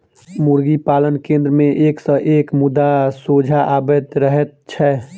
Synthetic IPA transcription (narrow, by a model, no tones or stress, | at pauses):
muɾɡipaːlənkẽːnd̪ɾəmẽʔeːksəʔeːkmʊd̪asoːd͡ʒʱaʔaːbed̪ɾəɦɛt̪̚t͡ʃʰɛ